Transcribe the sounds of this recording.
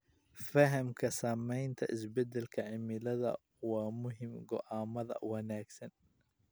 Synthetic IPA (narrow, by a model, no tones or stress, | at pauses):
fɐɦɐmkʰɐsaːmɛjnt̪ʰɐ̰ʔɪsbɛd̪ɛlkʰɐʕɪmɪlɐðɐ̰ | waːmʊɦɪmɡɔʔaːmɐðɐ̰wɐnaːɡsɐn